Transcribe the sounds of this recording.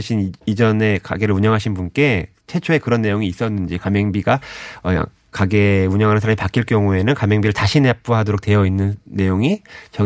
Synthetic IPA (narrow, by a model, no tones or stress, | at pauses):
ɕʰinid͡ʑʌne̞ka̰ɡe̞ɾɯɭuɲʌŋɦaɕʰinbunk͈e̞ | t͡ɕʰe̞t͡ɕʰoe̞kɯɾʌnːe̞joŋiːs͈ʌnːɯnd͡ʑikameŋbiɡaʌ̰ | kaɡe̞uɲʌŋɦanɯnsʰaɾamipak͈iɭk͈jʌŋue̞nɯnkamjeŋbiɾɯɭtaɕʰinep͈̚uɦadoɾok̚twe̞jʌinːɯnːe̞joŋit͡ɕʌ